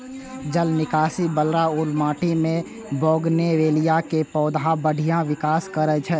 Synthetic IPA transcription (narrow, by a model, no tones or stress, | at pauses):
d͡ʒəlnɪkaːsibəlɾaʊlmaːʈimẽ | boːɡneʋeːlijakepɔːd̪ʱãbəɽ̤ʱijãʋɪkaːskəɾɛt͡ʃʰɛː